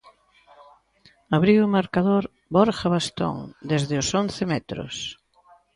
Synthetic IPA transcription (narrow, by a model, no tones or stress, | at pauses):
aβɾiwʊmaɾkaðoɾ | boɾxaβast̪o̰ŋd̪ezðɪʊsonθɪmɛt̪ɾʊ̰s